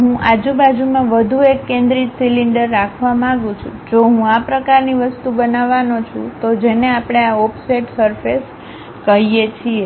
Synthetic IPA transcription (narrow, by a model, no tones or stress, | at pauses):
ɦũʔad͡ʒubad͡ʒumãʋəd̪ʱuekːẽnd̪ɾit̪siliɳɖəɾːakʰʋamãɡũt͡ʃʰṵ̃d͡ʒoɦũapɾəkaɾniʋəst̪ubənaʋanot͡ʃʰṵ̃t̪od͡ʒeneapɽ̃eaopseʈsəɾfes | kəɦijet͡ʃʰie